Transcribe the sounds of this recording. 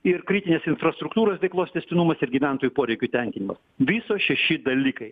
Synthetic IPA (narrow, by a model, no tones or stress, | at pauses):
ɪrkɾʲɪt̪ʲɪnʲeːsɪnfɾrɐst̪ɾʊkt̪uːɾoːsʋʲɛɪklˠoːst̪ʲɛsʲt̪ʲɪnumɐsɪɾɡʲiʋʲɛnt̪oːjuːpoːɾʲɛɪkʲʊtʲɛŋʲkʲɪnʲɪmɐs | ʋʲisoːʃʲɛʃʲɪd̪ɐlʲiːkɐɪ